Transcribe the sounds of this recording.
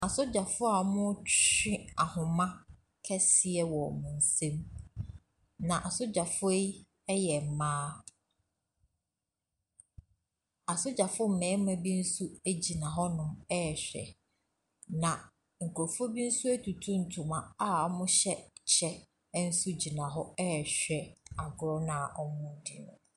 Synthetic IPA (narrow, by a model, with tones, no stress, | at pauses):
a˨sʊ˦d͡ʑa˨fʊ˦a˨mʊ̃˦t͡ɕɪ̃˦a˨hʊ̃˨mã˦ | kʰɛ˦sɪ˨ɛ˦wɔ˨mʊ̃˨n̩˨sẽ˦m | nã˨ʔa˨sʊ˦d͡ʑa˨fʊ˦e˦ | ɛ˦jɛ˨m̩˨mãː˦ | a˨sʊ˦d͡ʑa˨fʊ˦m̩˨mɛ̃ː˨˦mã˨bi˦n̩˦su˦æ˦d͡ʑi˨nã˨ɦɔ˦nʊ̃˨mɛ˦˨ɕᶣɛ̰˨ | nã˨ | ŋ̩˨kʰʊ˨ɾɔ˨fɔ˦bi˦n̩˦su˦æ˦tʰu˨tʰũ˦n̩˨tʰũ˨mã˨a˦ɔ˦mʊ̃˦ɕɛ˦t͡ɕʰɛ˦ | n̩˦su˦d͡ʑi˨nã˨ɦɔ˦ɛ˦˨ɕᶣɛ˨a˨ɡʊ˨ɾɔ˦nã˨ʔɔ˦mʊ̃˦di˨nʊ̃˨